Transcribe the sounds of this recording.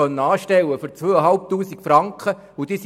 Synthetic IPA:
œnːəɑːʃtɛwːəfyɾt͡sʋøːəɦɑlp̚tuːsikfrɾɑŋkχə | ʊd̥̪iːs

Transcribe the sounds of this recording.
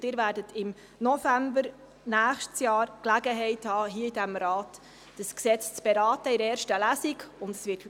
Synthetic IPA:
dɪːɾvæːɾdətʰɪm | nɔfæmbəɾ | næːχʃtsjɑːɾklæɡəɦɛɪthɑːɦiəidæmɾɑːt | d̥əsksɛt͡st͡sb̥eɾɑːtəɪɾɛːɾʃtəlæzikʊndɛ̥sʋɪt

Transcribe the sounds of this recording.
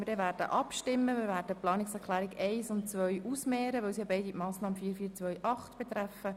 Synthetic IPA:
mɪdɛːʋæːrdə̰ʔɑpʃtɪmːəmɪːɾʋæːɾdəplɑːnɪksɛɾklæːɾɪɡɛɪsʊntt͡sʋœʏʔusmɛːɾəʋœwsiɑbɛɪdimɑːsnɑːməfiːɾfiːt͡sʋœʏʔɑχtb̥et̪ɾæfə

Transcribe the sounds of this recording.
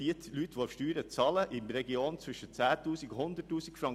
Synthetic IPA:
iət̪lytʋoːfʃtyːɾət͡sɑːləʔɪmɾɛɡioːnt͡sʋʏʃət͡sæːt̪uːsɪkhʊnd̪ətːuːsɪkfɾɑŋ

